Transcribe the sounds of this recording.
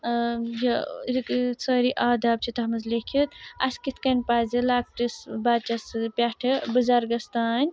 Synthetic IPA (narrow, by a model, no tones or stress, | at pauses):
joɾiksɐɾiʔaːd̪ʱaːb̚t͡ʃʰit̪ɐɦɐmɐzlekʰit̪ɐ̰skit̪ʰkɐnʲpaːzilaːk̚ʈisbaːt͡ʃɐspʲaʈʰɐbɐzaːɾɡɐst̪aːnʲ